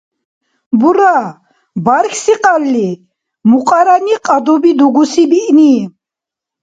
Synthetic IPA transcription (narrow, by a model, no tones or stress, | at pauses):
buɾa | baɾkʰsiqʼalːi | muqʼaɾaniqʼad̪ɔbid̪uɡusibiʔni